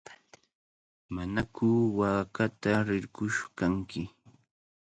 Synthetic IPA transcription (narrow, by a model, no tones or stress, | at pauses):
manakʊwaːkat̪aɾɪɾkʊʃkaŋkɪ